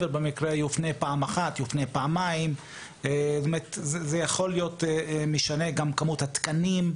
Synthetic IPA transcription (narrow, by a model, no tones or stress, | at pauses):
velbemikʁejufne̞paːmaχat̪jufne̞jpaamːaim | et̪omeet̪zzejaχo̞lijo̞t̪miʃane̞ɡamkamut̪hat̪kanim